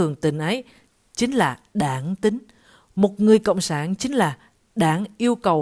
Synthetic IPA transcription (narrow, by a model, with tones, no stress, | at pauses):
ɨ˨˩əŋt̪ï˧˩ŋ̟ʔə˨˦j | t͡ɕï˨˦ŋ̟laː˨˩ɗaː˧˩nt̪ï˨˦ŋ̟ | mo˨˩t̚ŋɨ˨˩əjkə̰˧˨wŋ͡msaː˧˩nt͡ɕï˨˦ŋ̟laː˨˩ | ɗaː˧˩nʔi˧əwkə˨˩w